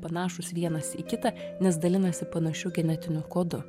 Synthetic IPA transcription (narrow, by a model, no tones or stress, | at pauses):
pɐnɑːʃʊsʋʲiɛnɐsikʲɪt̪ɐnʲɛsd̪ɐlʲɪnɐsʲɪpɐnɐʃʲʊɡʲɛnʲɛt̪ʲɪnʲʊkoːd̪ʊ